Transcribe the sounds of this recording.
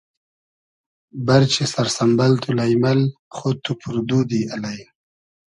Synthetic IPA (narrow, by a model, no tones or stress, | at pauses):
baɾt͡ʃesaɾsambalt̪ulajmalχot̪upʰʊɾd̪ud̪ialaj